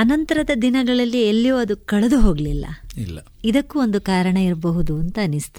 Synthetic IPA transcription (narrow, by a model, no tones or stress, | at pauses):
ɐnɐnt̪ɐɾɐd̪ɐd̪inɐɡɐɭɐlːielːijoːɐd̪ukɐɭɐd̪uɦo̞ːɡɐlilːɐ̰ilːɐ | id̪ɐkːuo̞nd̪ukaːɾɐɳɐiɾbɐɦud̪uɐnt̪ɐːnist̪u